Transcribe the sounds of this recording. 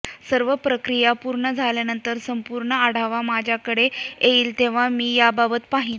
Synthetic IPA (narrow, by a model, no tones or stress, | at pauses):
səɾʋəpɾəkɾijapuɾɳəd͡zʱaljanənt̪əɾsəmpuɾɳəaɽ̤aʋamad͡ʑʱjakəɽeeiːlt̪eʋ̤amiːjababət̪paɦi